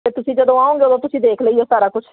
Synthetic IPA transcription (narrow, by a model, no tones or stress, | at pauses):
eːt̪ʊsĩːd͡ʒəd̪õːaːõːŋɡeːod̪õːt̪ʊsĩːd̪eːkʰləiːosaːɾaːkʊt͡ʃʰ